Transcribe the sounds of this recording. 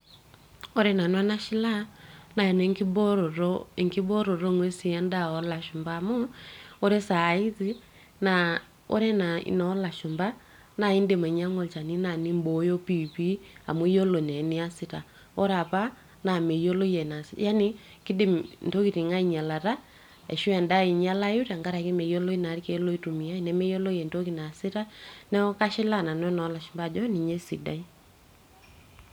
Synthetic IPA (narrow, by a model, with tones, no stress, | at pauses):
ɔ˦ɾɛ˦na˨nwa˦na˦ʃi˦la˦na˨ɛ˨nɛ˨ŋki˦bɔ˦ɾɔ˨ɾɔe˨ŋki˦bɔ˦ɾɔ˨ɾɔ˦ŋwɛ˦si˨ɛ˦nda˦ɔ˨la˨ʃu˨mba˨mɔ˦ɔ˦ɾɛ˦sa˨i˦zi˦ | na˨ | ɔ̰˦ɾɛ˦na˨ḭ˨nɔ˨˦la˨ʃu˨mba˦ | na˨i˦nde˨mɛ˨ɲa˦ŋɔ˨t͡ʃa˨ni˦na˨ni˦mbɔ˨˦jɔ˦pi˦˨pi˦a̰˨mwo˦jɔ˦lo˨nɛ˨ni˦a˦si˨ta˨ | ɔ˦ɾa˨pa˦ | na˨me˨jo˦lo˦jɛ˨na˨sja˦ni˦ | ki˦de˨mnto˦ki˨ti˨ŋa˦i˨ɲa˨la˨ta˦ | ɛ̰˨ʃu˦ɛ˨nda˦i˨ɲa˦la˦u˦ɾa˨ŋɡa˦ɾa˨ke˦me˨jo˦lo˦i˦na˨˦ɾi˦ke˨˦lo˦i˦tu˨mi˨a˦i˨nɛ˦mɛ˦jo˦lo˦jɛ˨nto˦ki˨na˨si˦ta˦nɛ˦ɔ˦ka˦ʃɪ˦la˦˨na˨nɔ˦nɔ˨˦la˨ʃu˨mba˦˨d͡ʒɔ˦ni˨ɲe˦si˨da̰˦i˦